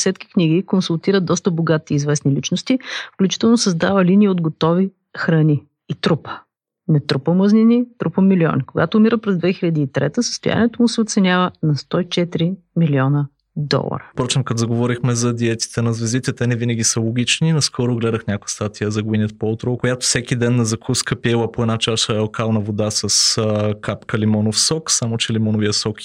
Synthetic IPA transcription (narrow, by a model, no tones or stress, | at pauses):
sɛt̪ki̥kniɡikonsulˠt̪iɾəd̪d̪ɔst̪əboɡat̪iːzvɛsnilit͡ʃnost̪ifklʲut͡ʃi̥t̪ɛlˠnosɐzd̪avəliniːod̪ɡot̪ɔvi | xɾɐniː | t̪ɾupə̥ | nɛt̪ɾupəməzninit̪ɾupəmiliɔ̰nikoɡa̰t̪oːmiɾəpɾɛzd̪vɛxilʲɐd̪iːt̪ɾɛ̰t̪əsə̥st̪ʊja̰niɛt̪omusɛot̪sɛnʲjavənɐst̪ɔit͡ʃɛt̪iɾi | miliɔnə | d̪ɔ̰lˠɐ̰ɾə̰pɾɔt͡ʃɛmkɐt̪zɐɡovɔɾixmɛzɐd̪iɛt̪i̥t̪ɛnɐzvɛzit̪ɛt̪ɛnɛvinəɡʲisəlˠoɡ̟ʲit͡ʃninɐskʰɔɾoɡlɛd̪əxnʲakojəst̪at̪ijəzɐɡʊinjət̪poot̪ɾokojat̪o̥sɛk̟id̪ɛnːɐzɐkʰuskəpiɛlˠəpoɛd̪nat͡ʃaʃəlˠkalˠnɐvod̪asɐskapkəlimɔnofsɔksamot͡ʃɛlimɔnovijəsɔk